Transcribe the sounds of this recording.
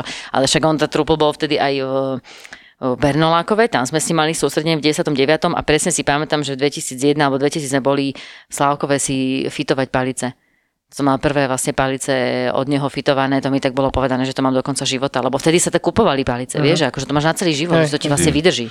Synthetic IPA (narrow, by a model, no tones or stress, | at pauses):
ʔa̰lɛʃaɡɔnt̪aːt̪ɾupl̩bɔlft̪ɛd̪iʔaj | bɛɾnɔlaːkɔʋɛt̪amzmɛsɲimːalisuːst̪ɾɛɟɛɲɛvɟɛɟɛsjat̪ɔmɟɛʋat̪ɔmʔa̰pɾɛsɲɛsipamɛt̪amʒɛd̪ʋɛcisiːd͡zjɛd̪nalbɔd̪ʋɛcisiːd͡zmɛbɔlislaʊkɔʋɛsifit̪ɔʋac̚palit͡sɛ̥ | sɔmːalpr̩ʋɛːʋlasɲɛpalit͡sɛɔ̰d̪ɲɛɦɔfit̪ɔʋanɛːt̪ɔmit̪aɡ̚bɔlɔpɔʋɛd̪anɛːʒɛt̪ɔmaːmd̪ɔkɔnt͡saʒiʋɔt̪alɛbɔft̪ɛd̪isat̪akːupɔʋalipalit͡sɛ̰ʋɪɛʒʒɛakɔʒɛt̪ɔmaːʒnat͡sɛliːʒiʋɔt̪ʒɛt̪ɔcivlasɲɛʋid̪r̩ʒi